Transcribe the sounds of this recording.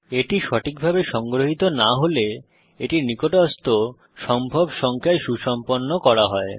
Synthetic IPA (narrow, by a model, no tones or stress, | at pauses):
eʈiʃɔʈʰik̚bʱabeʃɔŋɡɾoɦit̪onaɦole | eʈiɾnikoʈɔst̪o | ʃɔmbʱobʃɔŋkʰaeʃuʃɔmponːokɔɾaɦɔe